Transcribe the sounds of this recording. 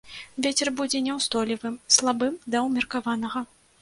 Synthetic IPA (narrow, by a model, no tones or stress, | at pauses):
vʲet͡sʲɛrbud͡zʲɛnʲɛwst̪ɔlʲivɨmslˠabɨmd̪ɐwmʲirkavanɐɣɐ